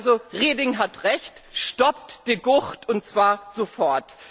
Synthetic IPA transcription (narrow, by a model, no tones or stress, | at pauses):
zoʁeːdɪŋɦatʁɛçtʃtɔp̚td̥iːɡʊçtʰʊntt͡sv̥aːɐzofɔɐt